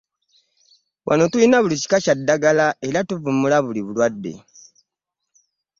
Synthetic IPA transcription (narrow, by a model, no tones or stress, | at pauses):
wʔa̰no̞tuinaβulici̥kacadːaɡalaelatuvumulaβuliβulwadːe̞̰